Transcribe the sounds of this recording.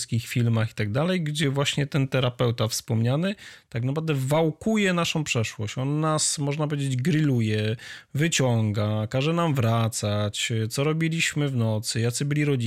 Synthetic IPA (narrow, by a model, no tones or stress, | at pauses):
skʲixfʲilmaxi̥t̪aɡ̚d̪alɛjɡd͡ʑɛvwaɕɲɛt̪ɛnt̪ɛɾapɛwt̪afspɔmɲanɘt̪aknapɾavd̪ɛvawkujɛnaʂɔ̃w̃pʂɛʂwɔ̰ɕt͡ɕɔnːasmɔʐnap̬ɔvʲjed͡ʑed͡ʑɡɾɘlujɛvɘt͡ɕɔŋɡakaʐɛnamvɾat̪sat͡ɕt̪sɔɾɔbʲilʲiɕmɘvnɔt̪sɘjat̪sɘbɘlʲiɾɔd͡ʑi